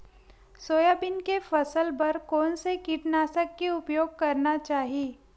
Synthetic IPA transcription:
soːjaːbɪnkefɐsəlbɐɾkɔːnsekiʈnaːsəkːeʊpjoːɡ̚kɐɾnat͡ʃaːɦieː

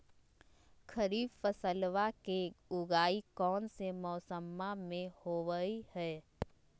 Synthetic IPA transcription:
kʰəɾiːbfəsəlʋakeʊɡaːikɔːnsemɔːsəmːamẽhoːʋəihɛː

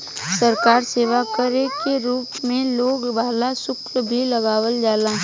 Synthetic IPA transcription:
sɐɾkaːɾseːʋakəɾekeɾuːpmẽloːɡbaːlasʊkɾəbʱilɐɡaːʋəld͡ʒaːlaː

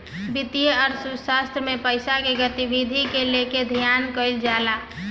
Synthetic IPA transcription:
bɪt̪ijəɔːɾsusaːst̪ɾəmẽpəɪsakeɡət̪ibid̪ʱikeleked̪ʱijaːnkəɪld͡ʒaːlaː

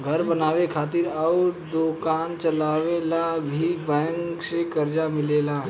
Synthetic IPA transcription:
ɡʱɐɾbɐnaːʋekʰaːt̪ɪɾauɾd̪oːkaːnt͡ʃɐlaːʋelabʱibɛ̃ːŋksekɐɾd͡ʒamɪleːla

